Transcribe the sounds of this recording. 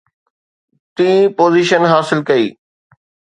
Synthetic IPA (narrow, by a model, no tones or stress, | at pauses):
t̪ĩːpoːziːʃənɦaːsɪlkɐiː